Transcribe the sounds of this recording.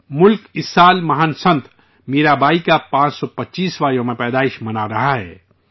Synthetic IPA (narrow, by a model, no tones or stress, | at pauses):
mʊlkɪsːaːlmɐɦənsə̃nt̪ʰ | meːɾabaːikapãːt͡ʃsɔpɐtːʃiːsʋaːɾijõmẽpɛːd̪aːɪʃmɐnaɾɐɦaɦɛ̰ː